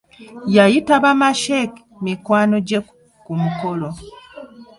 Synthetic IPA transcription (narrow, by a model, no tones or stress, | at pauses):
jajitaβamaʃek | mikwaːno̞ɟek | kumukolo